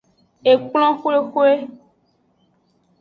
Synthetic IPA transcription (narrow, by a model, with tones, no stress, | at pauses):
e˨k͡pl̃ɔ̃˦xo˦e˦xo˦e˦